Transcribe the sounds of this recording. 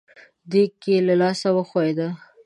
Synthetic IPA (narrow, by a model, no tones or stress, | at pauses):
d̪ekelalɑsawəxaed̪a